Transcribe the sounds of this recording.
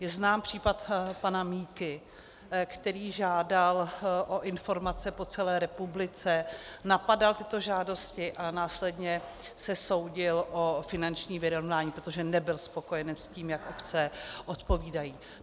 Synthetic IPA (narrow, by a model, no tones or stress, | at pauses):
jɛznaːmpr̝̥iːpat̪panamiːkɪ | kt̪ɛɾiːʒaːdalʔo̞ʔɪnfo̞ɾmat͡sɛpo̞t͡sɛlɛːɾɛpublɪt͡sɛnapadalt̪ɪt̪oʒaːdo̞scɪʔanaːslɛdɲɛ | sɛso̞wɟɪlʔofɪnant͡ʃɲiːvɪɾo̞vnaːɲiːpɾot̪oʒɛnɛbɪlspo̞ko̞jɛnɛsciːmjakʔopt͡sɛʔot̪po̞viːdajiː